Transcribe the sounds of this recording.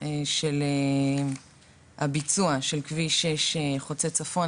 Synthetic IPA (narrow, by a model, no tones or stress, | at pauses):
eʃele | habit͡suaʃe̞lkviʃeʃeχot͡set͡safo̞